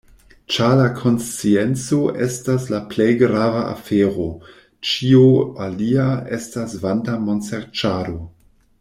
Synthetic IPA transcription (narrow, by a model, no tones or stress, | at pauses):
t͡ʃalakʰo̞nst͡sient͡so̞ʔestaslaplejɡɾavaʔa̰feːɾo | t͡ʃioaliaestasvantamo̞nseɾt͡ʃaɾo̞